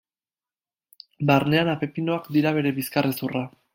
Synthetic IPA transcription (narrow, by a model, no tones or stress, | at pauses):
baɾne̞anape̞pino̞akd̪iɾaβe̞ɾe̞βiskaresura